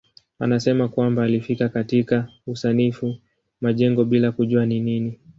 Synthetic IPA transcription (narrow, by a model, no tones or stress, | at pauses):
a̰nasɛmakwambaːlifikakatikausanifu | maʄɛŋɡɔɓilakuʄuaninini